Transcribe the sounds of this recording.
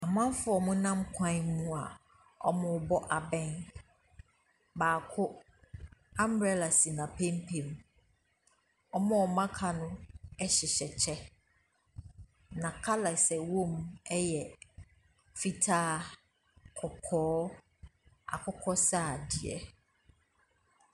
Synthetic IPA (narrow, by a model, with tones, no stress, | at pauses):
a˨mã˦m˦fʊ˦ɔ˨mʊ̃˦nã˦mkʰã˦mũ˦a˨ | ɔ̰˦mʊ̃˨˦bɔ˦ʔa˨bɛ̃˦n | baː˨kʰʊ˦ | ã˦m˨ɛ˦la˨si˨nã˨pʰẽ˦mpʰe˨m˨ | ɔ˦mɔ̃˦ɔ˨mã˦kʰa˨nʊ̃˦ɛ˦ɕɛ˨ɕɛ˨t͡ɕʰɛ˦ | nã˨kʰa˦la˨sɛ˨wõ˦mɛ˦jɛ˨ | fi˦tʰaː˦ | kʰɔ˨kʰɔː˦ | a̰˨kʰʊ˦kʰɔ˦saː˦˨dɪ˨ɛ̰˦